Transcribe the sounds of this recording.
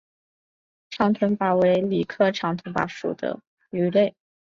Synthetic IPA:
ʈ͡ʂʰɑ˧˥ŋt̪ʰwə˧˥npa˨˩we˧˥ɪli˨˩kʰɤ˥˩ʈ͡ʂʰɑ˧˥ŋt̪ʰwə˧˥npa̰˧˥ʂṵ˨˩d̪ə̰˧˦ | y˧˥le˥˩ɪ

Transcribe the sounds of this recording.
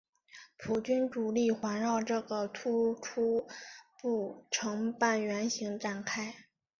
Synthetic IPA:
pʰu˨˩t͡ɕy˥nʈ͡ʂu˨˩li˥˩xwa˧˥nɻɑ˥˧ʊʈ͡ʂɤ˥˩ɡə˩t̪ʰu˥ʈ͡ʂʰu˥pu˥˩ʈ͡ʂʰɤ˧˥ŋpa˥˩nɥɛ˧˥nɕi˧˥ŋʈ͡ʂa˨˩nkʰa˥ɪ

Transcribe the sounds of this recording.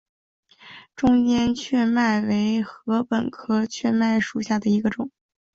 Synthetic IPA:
ʈ͡ʂʊ˥ŋt͡ɕjɛ˥nt͡ɕʰɥɛ˥˧ma˥˩ɪwe˧˥ɪxɤ˧˥pə˨˩nkʰɤ˥t͡ɕʰɥɛ˥˧ma˥˩ɪʂu˨˩ɕja˥˩d̪ə˩i˧˥ɡə˧ʈ͡ʂʊ˨˩˦ŋ

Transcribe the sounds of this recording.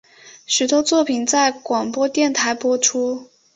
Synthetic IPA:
ʂɻ̩˨˩t̪ʰwɔ˥t͡swɔ˥˩pʰi˨˩nt͡sa˥˩ɪkwɑ˨˩ŋpwɔ˥t̪jɛ˥˩nt̪ʰa˧˥ɪpwɔ˥ʈ͡ʂʰu˥

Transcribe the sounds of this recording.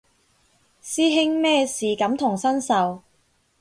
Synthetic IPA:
siː˥ɦɪ˥ŋmɛː˥siː˨˩kɐ˨˥mt̪ʰʊ˨˩ŋsɐ˥nsɐ˨w

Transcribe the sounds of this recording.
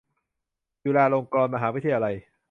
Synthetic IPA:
t͡ɕuː˧lɛː˧ɾoː˧ŋkɔː˧nma˧ɦaː˩˦w̪ʰi˧ʔa˧j

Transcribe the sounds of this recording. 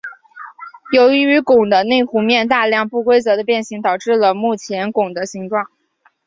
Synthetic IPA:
jo˧˥ʊy˧˥y˧˥kʊ˨˩ŋd̪ə˦ne˥˩ɪxu˧˥mjɛ˥˧nt̪a˥˧ljɑ˥˧ŋpu˥˩kwe˥ɪt͡sɤ˧˥d̪ə˧pjɛ˥˩nɕi˧˥ŋt̪ɑ˨˩ʊʈ͡ʂɻ̩˥˩lə˩mu˥˩t͡ɕʰjɛ˧˥nkʊ˨˩ŋd̪ə˦ɕi˧˥ŋʈ͡ʂwɑ˥˩ŋ

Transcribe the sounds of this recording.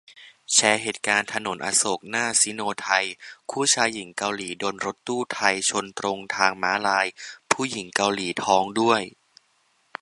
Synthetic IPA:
t͡ɕʰɛː˧˥ɦeː˨˩t̪̚kaː˧nt̪ʰa˧no˩˦nʔa̰ː˧so˨˩k̚naː˥˩siː˩˦noː˧t̪ʰa˧jkʰuː˥˩t͡ɕʰaː˦˥jːi˩˦ŋka˧wliː˩˦doː˧nɾo˦˥t̪ːuː˥˩t̪ʰa˧jt͡ɕʰo˧nt̪ɾo˧ŋt̪ʰaː˧ŋmaː˦˥laː˧jpʰuː˥˩ji˨˩˦ŋka˧wliː˩˦t̪ʰɔː˦˥ŋdu˥˩əj

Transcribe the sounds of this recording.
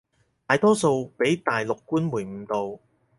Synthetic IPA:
t̪aː˨˧jt̪ɔː˥so˧wpe˨˥jt̪aː˨jlʊ˨kːuː˥nmuː˨˩jm̩˨˩t̪o˨w

